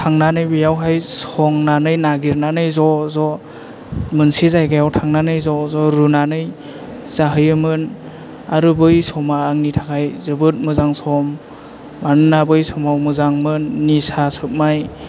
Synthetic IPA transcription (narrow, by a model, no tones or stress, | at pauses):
tʰaŋnanɯjbɯjawɦajsɔŋnanɯjnaɡiɾnanɯjzɔzɔ | mɯnsizajɡajawtʰaŋnanɯjzɔzɔɾɯnanɯj | z̥aɦɯjɯmɯn | aɾɯbɯjsɔmaːŋnitʰḁkʰajzɯbɯt̚mɯzaŋsɔmː | annabɯjsɔmawmɯzaŋmɯnːisasɯp̚maj